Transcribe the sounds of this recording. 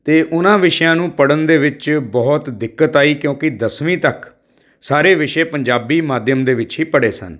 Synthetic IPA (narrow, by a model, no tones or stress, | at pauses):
t̪eːʔʊnãːʋɪʃjãːnũːpəɽənd̪eːʋɪt͡ʃbɔːt̪d̪ɪkːət̪aːiːkjõːkɪd̪əsʋĩːt̪ək | saːɾeːʋɪʃeːpəɲd͡ʒaːbiːmaːd̪jəmd̪eːʋɪt͡ʃɦiːpəɽḛːsə̰n